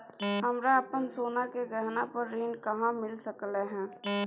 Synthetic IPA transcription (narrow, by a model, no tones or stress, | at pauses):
ɦəmɾaəpənsoːnakeɡɛɦnapəɾːiːnkəɦãmɪlsəkleɦɛ̃ː